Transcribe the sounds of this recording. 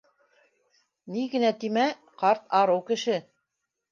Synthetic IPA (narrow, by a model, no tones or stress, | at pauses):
niɡɘ̆næt̪imæ | qɑɾt̪ɑɾɤwkɘ̆ʃɘ